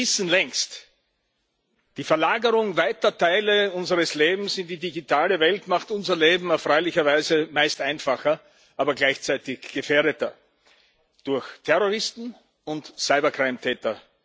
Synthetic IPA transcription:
ɪsn̩lɛŋst | d̥iːfɛɐlaːɡəʁʊŋvaɪtɐtʰaɪləʊnzəʁəsleːbm̩sɪ̃ndidiɡitʰaːləvɛltmaχtʊnzɐleːbm̩aʊfʁ̥ɔʏlɪçɐvaɪzəmaɪstʔãɪnfaxɐ | ʔaːbɐɡlaɪçt͡sæɪtɪçɡ̥əfeːɐɾətɐ | d̥ʊɐçtʰɛʁoʁɪstn̩ | ʊntsaɪbɐkʁ̥ɛɪmtʰɛːtɐ

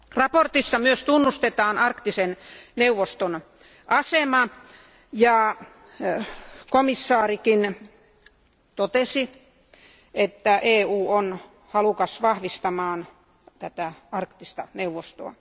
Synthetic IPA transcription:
rɑport̪isːɑmyøst̪unːust̪et̪ɑːnɑrkt̪isenneuʋːost̪on | ʔɑsemɑ | jɑ | komisːɑːrikin | t̪ot̪esi | ʔet̪ːæʔeːuːon | hɑlukɑsʋɑhʋist̪ɑmɑːn | t̪æt̪æɑrkt̪ist̪ɑneuʋost̪o̰ɑ̰

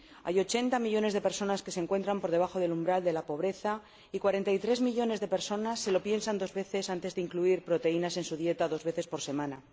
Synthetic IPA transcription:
a̰jo̞t͡ʃe̞nt̪amiʎo̞ne̞zðe̞pe̞ɾso̞naskeseŋkwe̞nt̪ɾampo̞ɾð̞eaxo̞ð̞e̞lumbɾald̪e̞lapo̞β̞ɾe̞θa | ikwaɾe̞nt̪ajt̪ɾe̞zmiʎo̞ne̞zðe̞pe̞ɾso̞nasːe̞lo̞pje̞nsand̪o̞zβe̞θe̞sant̪e̞zðeiŋkluiɾpɾo̞t̪e̞inase̞nsuðje̞t̪aðo̞zβe̞θe̞spo̞ɾse̞mãna

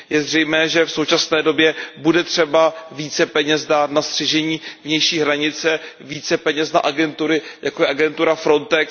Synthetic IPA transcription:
jɛzrɛjmɛːʒɛfsowt͡ʃasnɛːdo̞bjɛbudɛt̪r̝̥ɛbaviːt͡sɛpɛɲɛsdaːt̪nast̪r̝̥ɛʒɛɲiːvɲɛjʃiːɦɾaɲɪt͡sɛviːt͡sɛpɛɲɛsnaʔaɡɛnt̪uɾɪjakojɛʔaɡɛnt̪uɾafɾo̞nt̪ɛk

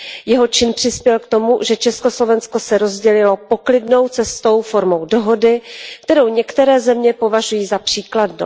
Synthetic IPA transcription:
jɛɦo̞t͡ʃɪnpr̥ɪspjɛlkt̪o̞mṵʒɛt͡ʃɛsko̞slo̞vɛnsko̞sɛɾo̞zɟɛlɪlo̞po̞klɪdno̞wt͡sɛst̪o̞wfo̞ɾmo̞wdo̞ɦo̞dɪk̚t̪ɛɾo̞wɲɛkt̪ɛɾɛːzɛmɲɛpo̞vaʒujiːzapr̝̥iːkladnṵ

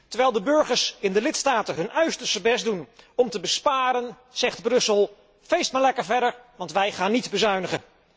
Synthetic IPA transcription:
təɹʋɛjlˠdəbɵɹχəɹsɪndəlɪtstaːtəɦɵnʔœɥstəɹsəbɛsdunɔmtəbəspaːɾən | z̥ɛχdbrɵsəlˠ | fejstmaːɹlɛkəɹvɛɹdəɹʋɑntʋɛjχaːnːitbəzœɥnəχə

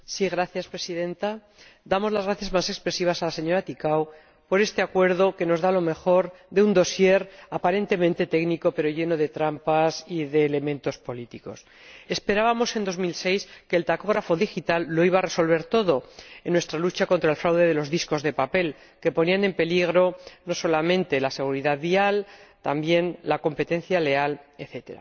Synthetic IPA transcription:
siɣ̞ɾaθjaspɾe̞siðẽ̞nt̪a | d̪amo̞zlazɣɾaθjazmase̞kspɾe̞siβ̞asalase̞ɲo̞ɾat̪ikaw | po̞ɾe̞st̪e̞akwe̞ɾðo̞ke̞no̞zðalo̞me̞xo̞ɾðeund̪o̞sje̞ɾapaɾe̞nt̪e̞mẽnt̪e̞t̪e̞ɡniko̞pe̞ɾo̞ʝe̞no̞ð̞e̞t̪ɾampasiðe̞ːle̞mẽ̞nt̪o̞spo̞lit̪iko̞s | e̞spe̞ɾaβamo̞se̞nd̪o̞zmilse̞jske̞ːlt̪ako̞ɣ̞ɾafo̞ðixit̪alːo̞iβare̞so̞lβ̞e̞ɾt̪o̞ðo̞enːwe̞st̪ɾalut͡ʃako̞nt̪ɾaelfɾawðe̞ðe̞lo̞zðisko̞zðe̞pape̞l | ke̞po̞niane̞mpe̞liɣ̞ɾo̞no̞so̞lamẽ̞nt̪e̞lase̞ɣ̞uɾiðaðβialt̪ambje̞nlako̞mpe̞t̪ẽ̞nθjale̞ale̞θe̞t̪e̞̰ɾa̰

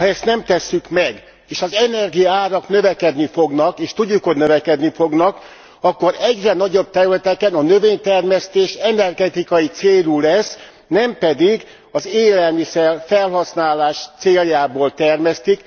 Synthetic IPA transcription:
hɒɛst̪nɛmt̪ɛsːykmɛɡ | eːʃɒzɛnɛrɡijɒaːɾɒknøvɛkɛd̪nifo̞ɡnɒkeːʃt̪uɟːukho̞ɟnøvɛkɛd̪nifo̞ɡnɒk | ɒkːo̞ɾɛɟrɛnɒɟo̞b̚t̪ɛɾylɛt̪ɛkɛnɒnøveːɲt̪ɛrmɛst̪eːʃɛnɛrɡɛt̪ikɒjit̪seːlulɛs | nɛmpɛd̪iɡ | ɒzeːlɛlmisɛrfɛlɦɒsnaːlaːʃt̪seːljaːboːlt̪ɛrmɛst̪ik

